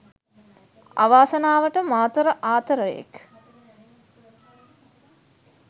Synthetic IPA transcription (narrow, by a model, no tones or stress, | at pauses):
a̰ʋaːsənaːʋəʈəmaːt̪əɾəʔaːt̪əɾəjḛk